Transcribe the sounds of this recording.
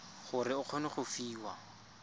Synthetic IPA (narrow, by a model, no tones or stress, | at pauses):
χʊrɪʊq͡χʰɔnɪχʊfiːwa